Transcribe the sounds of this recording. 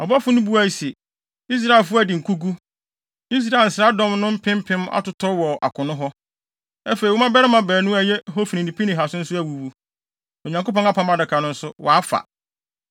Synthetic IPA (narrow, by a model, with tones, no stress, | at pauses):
ɔ˨bɔ˦fʊ˦nʊ̃˦bu˦a˦i˨sɛ˨ | i˦s̬ɾa˦˨e˨lfʊ˦˨dɪ˨ŋ̩˨kʰu˦ɡu˦ | i˦s̬ɾaː˨n̩˨sɾa˦dɔ̃˦mnʊ̃˦m̩˦pʰɪ̃˦m̩˦pʰɪ̃˦ma̰˦tʊ˨tʰɔ˦wɔ˨ʔa̰˨kʰʊ̃˨nʊ̃˦ɦɔ˦ | æ˦fe˨ɾi˨wʊ˦mã˦bɛ˦ɾɪ˦mã˨bɛː˨nʊ̃˦æ˨jɛ˦ɦɔ˦fi˨nĩ˨nĩ˨pʰi˦nɪ̃˨ɦa˨sʊ˦n̩˦sʊ˦æ˨wu˨wu˦ | o˨ɲã˨ŋko˦pɔ̃˦ŋ˦a˦pʰã˦ma˦dɪ˨kʰã˨nʊ̃˦n̩˦sʊ˦wɔ̰˨a˦fa̰˨